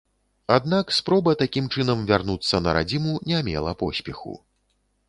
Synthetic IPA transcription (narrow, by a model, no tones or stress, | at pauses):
ad̪̚nakspɾɔbɐt̪akʲimt͡ʂɨnɐmvʲarnut̪sːɐnɐɾa̰d͡zʲimunʲɛmʲɛ̰lˠɐpɔsʲpʲɛxṵ